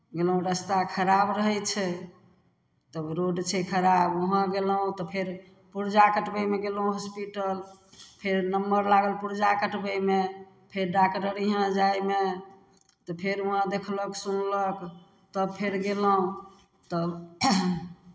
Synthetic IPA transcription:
ɡelɦũɾəst̪akʰəɾabɾəɦɛt͡ʃʰɛ | t̪əbɾoɖt͡ʃʰɛkʰəɾaboɦãɡelɦũt̪ɔpʰeɾ | puɾd͡ʒakəʈbəjmeɡelɦũɦɔspiʈəlpʰeɾnəmbəɾlaɡəlpuɾd͡ʒakəʈbəme | pʰeɾɖakʈəɾiɦãd͡ʒajme | t̪ɔpʰeɾəɦãd̪ekʰləksunlək | t̪əbpʰeɾɡeləɦũ | t̪ɔ

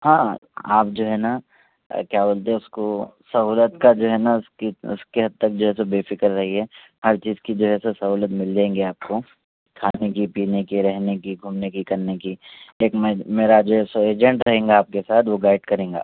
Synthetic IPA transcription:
hãːa̰ːpd͡ʒoːɦɛna̰ | kjaːboːlt̪eɛʊskosɐɦuːlət̪kad͡ʒoːɦɛnaʊskiʊ̰skeɦɐd̪̚t̪ɐk̚d͡ʒoːɦɛs̬obeːfɪkəɾːɐɦiɦɛ | hɐɾt͡ʃiːzkid͡ʒoːɦɛsesɐɦuːlət̪mɪld͡ʒaːẽːŋɡeaːp̚ko | kʰaːnekipiːnekiɾɛɦnekiɡʱuːmnekikɐɾnekieːkmɛ̃meːɾad͡ʒoːɦɛsoeːd͡ʒɛ̃ɳʈɾɐɦẽːŋɡaːp̚kesaːt̪ʰʋoɡaːɪɖkɐɾẽːŋɡa̰ː

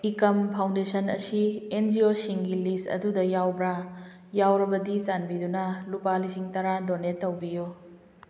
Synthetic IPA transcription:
ikɐmpʰawndesɐnɐ̰siend͡ʒiosiŋɡilistɐ̰dudɐjawbɾa | jawɾɐbɐdisanbidunɐlupalisiŋtɐɾadonetɐwbijo

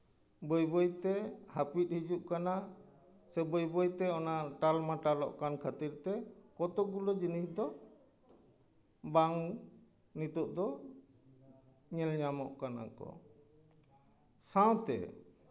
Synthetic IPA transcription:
bɔjbɔjt̪ɛhapit̪̚hid͡ʒuʔkana | sɛbɔjbɔjt̪ɛɔnaʔʈalmaʈaɾɔ̰ʔkankʰat̪iɾt̪ɛkɔt̪ɔʔɡulɔd͡ʒinisd̪ɔ | baŋ | nit̪ɔʔd̪ɔ | ɲɛlɲamɔʔkana̰kɔ̰ | sãw̃t̪ɛ̰

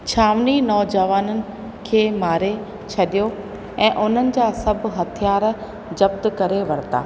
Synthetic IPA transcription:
t͡ɕʰaːʋninɔːd͡ʑɐʋaːnənɪ̆ | kʰeːmaːɾe | t͡ɕʰɐɗijo | ɛ̃ːʔʊn̤ənɪ̆d͡ʑaːsɐb̆ʱɦɐt̪ʰijaːɾ | d͡ʑɐb̚t̪kɐɾeʋɐɽ̤t̪a̰ː

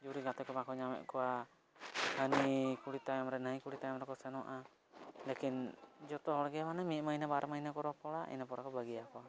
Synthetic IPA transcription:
d͡ʒuɾiɡat̪ɛkɔmakɔɲamɛ̰ʔkɔwa | hanikuɽit̪ajamɾɛnaikuɽit̪ajamɾɛkɔsɛnɔʔa | lekind͡ʒɔt̪ɔɦɔɽɡɛamanamimainabaɾʔamainakɔɾɔpɔɽaʔḭnapɔɽakɔbaɡɛjakɔa

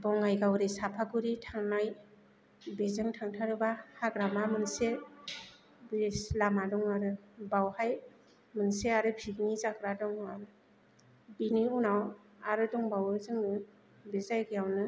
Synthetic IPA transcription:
bɔŋajɡawɾisapʰaɡuɾitʰaŋnaj | bezɯŋtʰaŋtʰaɾɯbahaɡɾamamɯnse | beslamadɔŋaɾɯbawhaj | mɯnseaɾɯpʰiknizakɾadɔŋaɾɯ | biniunaw | aɾɯdɔŋbawɯzɯŋnɯ | bezajɡijawnɯ

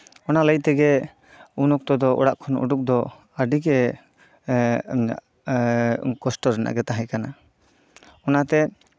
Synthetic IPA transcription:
ɔnaləjt̪ɛɡɛ | unɔk̚t̪ɔd̪ɔʔɔ̰ɽaʔkʰɔnṵɖuk̚d̪ɔ | əɖiɡɛ | kɔsʈɔɾɛnʔa̰ʔɡɛt̪aɦajkana | ɔnat̪ɛ

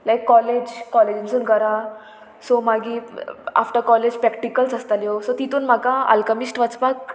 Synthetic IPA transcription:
lajkːɔled͡ʑkɔled͡ʑinsuːnkəɾa | somaɡia̰fʈəkɔled͡ʑpɾɛkʈikəlsast̪aljosot̪it̪uːnm̤akãa̰lkəmisʈʋat͡spak̚

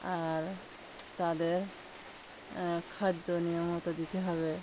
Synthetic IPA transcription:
aɾ | t̪ad̪eɾ | kʰad̪ːonijomɦɔt̪od̪it̪eɦɔβe

